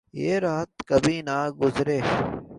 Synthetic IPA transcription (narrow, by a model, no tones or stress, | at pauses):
jeːɾaːt̪̚kəbʱiːnaːɡʊzɾeː